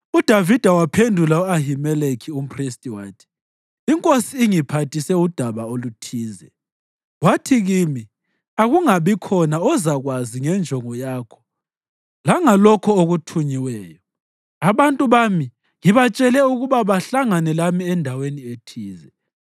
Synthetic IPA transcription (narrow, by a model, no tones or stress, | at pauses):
ud̥ʱavid̥ʱawapʰendʱulauaɦimɛlekʰium̩pʰristʼiwaːtʰi̥ | iŋkʼosiːŋipʰatʰisɛud̥ʱaβaolutʰiːzɛ | watʰiɣimi | aɣuŋaβikʰɔnaɔzaɣwaziŋɛnd͡ʒʱɔŋɔjaːkʰɔ̥ | laŋalɔkʰɔoɣutʰuɲiwɛːjɔ | aβantʼuβami | ŋiβat͡ʃʼɛlɛuɣuβaβaɬaŋanɛlamiɛndʱawenietʰiːzɛ